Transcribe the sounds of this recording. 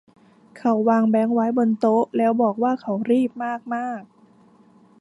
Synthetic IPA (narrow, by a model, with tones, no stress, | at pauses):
kʰa˧˥˩wːaː˧ŋbɛː˦˥ŋwa˦˥jbo˧nt̪o˦˥ʔlɛː˦˥wbɔː˨˩k̚waː˥˩kʰa˧˩wɾiː˥˩p̚maː˥˩k̚maː˥˩k̚